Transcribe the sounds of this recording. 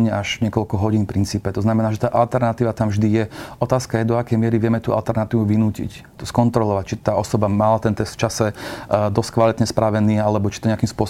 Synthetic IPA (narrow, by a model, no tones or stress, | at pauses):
ɲaʒɲɪɛkɔlkɔɦɔɟiːnpɾint͡siːpɛt̪ɔznamɛnaːʒɛt̪aːʔalt̪ɛɾnat̪iːʋat̪amvʒd̪ijɛɔt̪aːskajɛd̪ɔakɛjmɪɛɾiʋɪɛmɛt̪uːʔa̰lt̪ɛɾnat̪iːʋuʋinuːcḭc | t̪ɔskɔnt̪ɾɔlɔʋac̚t͡ʃit̪aːɔsɔbamalat̪ɛnt̪ɛst̪ft͡ʃasɛd̪ɔstkʋalit̪ɲɛspɾaʋɛniːalɛbɔt͡ʃit̪ɔɲɪakimspʊɔs